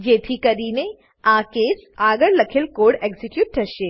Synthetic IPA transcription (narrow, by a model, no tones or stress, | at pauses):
d͡ʒeːt̪ʰikɐɾiːne | aːkeːsaːɡəɾlɐkʰɪlkoːɽeːɡzɪkjuːʈ̚ʈʰɐʃeː